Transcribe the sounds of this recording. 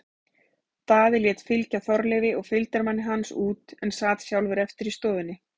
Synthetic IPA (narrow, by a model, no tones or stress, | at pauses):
θaðɛɾljɛːt̪fɪlcaθɔɾlɛvɪɔɣfɪlt̪aɾmanːɪɦansuːt̪ɛnsaːt̪sjawlvɪɾɛft̪ɪɾist̪ɔːðɪnːɪ